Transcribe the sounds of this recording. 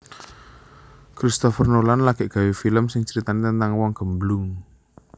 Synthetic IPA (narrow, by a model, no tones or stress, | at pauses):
kɾist̪ɔfərnolanlaɡ̥ɛʔɡ̥ä̤wefiləmsɪŋt͡ʃəɾit̪anit̪ənt̪aŋwɔŋɡ̥ə̤mblʊŋ